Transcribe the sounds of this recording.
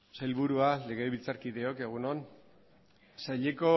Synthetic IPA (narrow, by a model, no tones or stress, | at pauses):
sajlβuɾuale̞ɣe̞βit͡saɾkiðe̞o̞ke̞ɣ̞unon | saʎe̞ko̞